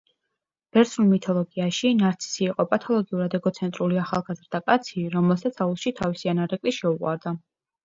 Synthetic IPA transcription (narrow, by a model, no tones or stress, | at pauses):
b̥ɛɾt̪sulˠmit̪ʰɔlˠɔɡiaʃinaɾt̪sʰi̥siːqʼɔpʼat̪ʰɔlˠɔɡiuɾad̪ɛɡɔt̪sʰɛnt̪ʼɾuliaχalˠɡazɾd̪akʼat̪sʰiɾɔmɛlˠsat̪sʰaulˠʃit̪ʰavisianaɾɛkʼliʃɛuqʼwa̰ɾd̪a